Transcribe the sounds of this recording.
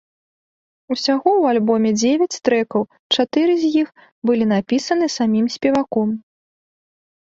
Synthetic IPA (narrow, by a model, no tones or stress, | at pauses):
usʲaɣɔwalʲbɔmʲɛd͡zʲevʲɛt͡sʲt̪ɾɛkɐw | t͡ʂat̪ɨɾɨzʲjix | bɨlʲinapʲisɐnɨsamʲimsʲpʲɛvakɔm